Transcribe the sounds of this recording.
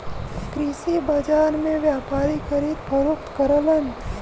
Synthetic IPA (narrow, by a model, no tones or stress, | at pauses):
kɾisibɐd͡ʒaːɾmẽʋjaːpaːɾikɐɾit̪pəɾʊkt̪kəɾələn